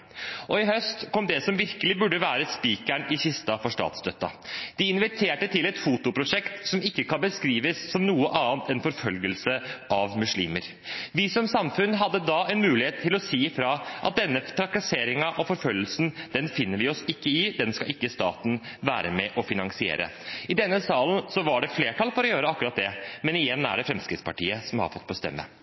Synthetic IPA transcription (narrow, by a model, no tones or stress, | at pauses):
ʔɔɪhœst̪kʰɔmd̪ɛsɔmʋɪɾkəlɪbʉɖːəʋæːɾəspiːkæɳɪsɪst̪ɑfɔʂtɑ̰ːt̪sd̪œt̪ːɑ̰d̪̥ɪɪnʋɪt̪ʰeːʈət̪ʰɪlɛt̪fut̪ʊpʰɾʊʂɛkt̪sɔmɪkːəkʰɑnbəskɾiːʋəsːɔmnuːəʔɑːnt̪ɛnfɔɾfœlɡəlsəʔɑʋmʉʂɭḭːməɾ | ʋɪsɔmsɑmfʉnɦɑd̪ːəd̪ɑɛnmʉːlɪheːt̪ʰːɪlɔsiːfɾɑʔɑ̰t̪̚d̪ɛnːəp̪ʰɾɑkːɑseːɾɪŋɑʔɔfɔɾfœlːəlsn̩d̪̥ɛnfɪnːəɾʋɪɔsɪkːəɪd̪ɛnskɑlɪkːəst̪ɑ̰ːt̪n̩ | ʋæːɾəmɛʔɔfɪnɑŋsɪḛːɾə̰ | ɪd̪ɛnːəsɑːlənsɔʋɑɖɛfleːʈʰɑlfɔɾɔjøːɾəɑkːɾɑt̪̚d̪ɛmɛnɪjɛnːæ̰ɖɛfɾɛmskɾɪt̪spʰɑʈiːəsɔmhɑ̰ɾfɔt̪̚ːbəst̪ɛ̰mːə̰